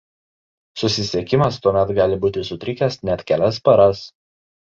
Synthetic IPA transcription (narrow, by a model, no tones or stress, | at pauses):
sʊsʲɪsʲɛkʲɪmɐst̪uɔmʲɛt̪ɡɑːlʲɪbuːt̪ʲɪsʊt̪ʲɾʲɪkʲɛsnʲɛt̪ʲkʲælʲɛs̬pɐɾɐs